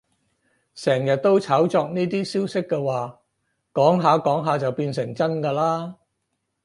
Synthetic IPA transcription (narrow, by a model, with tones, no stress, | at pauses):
sɛː˨˩ŋjɐ˨t̚t̪o˥wt͡sʰaː˨˥wt͡sɔː˧k̚niː˥t̪iː˥siː˥wsɪ˥kːɛ˧waː˨ | kɔː˨˥ŋɦaː˨˧kɔː˨˥ŋɦaː˨˧t͡sɐ˨wpiː˧nsɪ˨˩ŋt͡sɐ˥nkaː˧laː˥